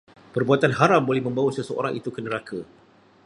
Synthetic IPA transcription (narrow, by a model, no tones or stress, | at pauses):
pərbuat̪anɦaɾambolɛhmə̃mbawəsəsəo̰ɾaŋʔit̪ukənə̃ɾakʰa